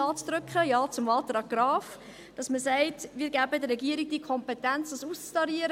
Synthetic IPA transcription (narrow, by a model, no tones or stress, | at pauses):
ɑːt͡sd̥̪ɾʏkχəjɑːt͡sʊmɑːlt̪ɾɑːkɡɾɑːf | d̥ɑsməsɛɪtʋiːɾɡæbədəɾːɛɡiəɾiɡ̚d̥iəkʰɔmpɛtænt͡sd̥ɑsust͡stɑɾiəɾə